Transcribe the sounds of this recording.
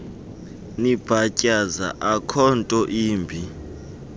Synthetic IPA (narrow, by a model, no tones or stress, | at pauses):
nib̥ʱacʼaza̰ʔakʰɔntʼɔʔiːmbʱi